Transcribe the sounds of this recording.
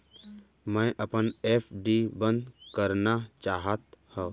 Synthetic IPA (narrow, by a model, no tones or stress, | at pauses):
mə̃ʔəpəneːpʰɖibə̃nd̪kəɾnat͡ʃaːɦət̪hɛ̃ː